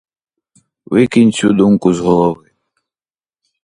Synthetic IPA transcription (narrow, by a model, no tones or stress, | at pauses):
ʋɪkinʲt͡sʲud̪umkʊzɦɔlˠɔʋɪ